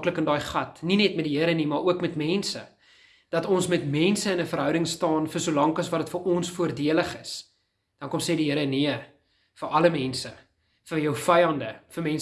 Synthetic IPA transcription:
kləkəndɑːjχɐtninɛtmɛtdiɦiəɾənimɑːɾʔuəkmɛtmɛnsə̰ | d̥ɐtɔnsmɛtmɛnsəənəfərɦœwɾəŋstɑːnfərsulɐŋkɐsvɐdətfərɔnsfuərdiələχəs | d̥ɐnkɔmseːdiɦiəɾəniə | fəʔɐləmɛnsə | fəjœwfɛjɐndəfəmɛns

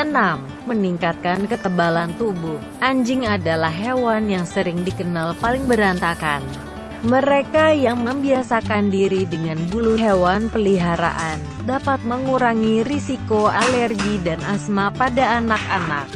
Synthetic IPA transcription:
ənamːəniŋkat̪̚kankət̪əbalant̪ubuh | ʔaɲd͡ʒɪŋadalahɦewanjaŋsəɾɪŋdikənalpalɪŋbəɾant̪akan | məɾekajaŋməmbiasakandiɾidəŋanbuluɦewanpəliɦaɾa̰ʔan | dapat̪̚məŋuɾaŋirisikoalɛrɡidanasmapadaːnakana̰k̚

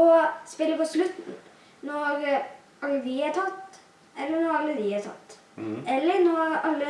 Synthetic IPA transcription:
ɔspɛlːəpɔslʉt̪n̩ | nɔɾ | ɑlːəʋɪɑʈʰɑt̪ː | ɛlːənɔɾɑlːəʋ̪ɪhɑtʰɑ̰t̪ː | ɛlːəɾnɔɑlːə

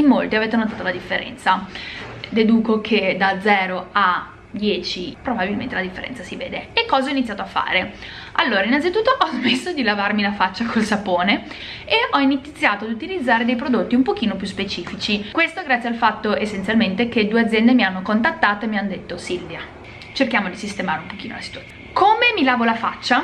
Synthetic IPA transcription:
imːolt̪iaveːt̪enot̪aːt̪olad̪ifːeɾɛ̰nt̪sa | d̪ed̪uːkokʰed̪ad̪zɛːɾoa | d̪jɛːt͡ʃipɾobabilment̪elad̪ifːeɾɛ̰nsasivḛːd̪eekːɔːzaɔinit̪sjaːt̪oafːa̰ːɾe | alːoːɾainːant̪it̪ut̪ːoʔɔzmesːod̪ilavarmilafat͡ʃːakʰolsapoːne | eɔinit̪t̪sːjaːt̪oad̪ut̪ilid̪zːaːɾed̪ejp̬ɾod̪ot̪ːiumpok̟iːnopjuspet͡ʃiːfit͡ʃikwest̪oɡɾat̪sjialfat̪ːoesːent̪sjalment̪eked̪uead̪zjɛnd̪emianːokont̪at̪ːaːt̪oemianːod̪et̪ːosilvja | t͡ʃerkjaːmod̪isist̪emaːɾeumpok̟iːno̰lasit̪uat̪sjonkʰomemilaːvolafa̰t͡ʃːa

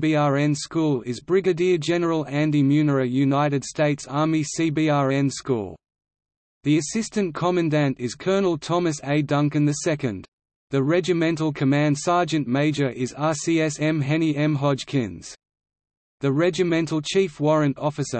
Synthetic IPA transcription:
biɑɹɛ̃nskulˠɪzbɹɪɡɨdiəd͡ʒɛnə˞əlˠæ̃ndimjʉnə˞əjʉnaɪɾɨd̥steɪtsɑɹmisibiɑɹɛ̃nskṵlˠ | ðiɨsɪstɨ̃nkʰɑmɨ̃ndæ̃ntɪz̥kʰɜ˞nəl̩ˠtʰɒməseɪdʌ̃ŋkɨ̃nðɨsɛkɨ̃n | ðəɹɛd͡ʒɨmɛ̃ntl̩ˠkʰəmæ̃nd̥sɑɹd͡ʒɨ̃nmeɪd͡ʒə˞ʔɪzɑsiɛsɛ̃mɦɛniɛ̃mɦɑd͡ʒ̥kʰɪ̰̃nz̥ | ðɨɹɛd͡ʒɨmɛ̃ntˡl̩ˠt͡ʃʰiˑfwɔɹɨ̃ntɔfɨsə̰

